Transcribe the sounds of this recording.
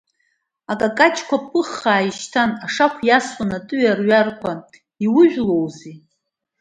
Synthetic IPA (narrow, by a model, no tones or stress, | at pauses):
akʼakʼat͡ʃʰʼkʷʰapʷʰɨχːaːiʃtʰanaʂakʷʰjaswanatʼɨɥarɥarkʷʰa | iwʊʒᶣlowzi